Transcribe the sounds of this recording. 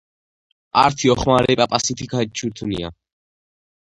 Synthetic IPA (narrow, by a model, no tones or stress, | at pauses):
a̰ɾt̪ʰiɔχmaɾɛpʼapʼasit̪ʰikʰait͡ʃʰuɾt̪ʰunḭa̰